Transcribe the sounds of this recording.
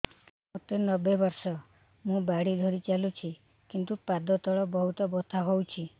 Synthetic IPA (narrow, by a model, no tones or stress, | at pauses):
ot̪enɔbebɔɾsɔ | mũbaɽid̪ʱɔɾit͡ʃalut͡ʃʰi | kint̪upad̪ɔt̪ɔɭɔbɔɦut̪ɔbɔt̪ʰaɦowt͡ʃʰi